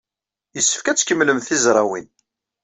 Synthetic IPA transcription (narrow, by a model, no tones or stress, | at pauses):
jəsːə̥fkæt͡sːkəmːləmθizɾˤɑwin